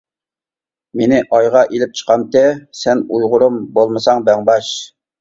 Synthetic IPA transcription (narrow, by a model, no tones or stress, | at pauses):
menɪʔɑjʁɑʔelɪp̚t͡ʃʰə̥qɑmt̪ɛsɛnujʁʊɾumbolˠmɨsɑŋbæŋbɑʃ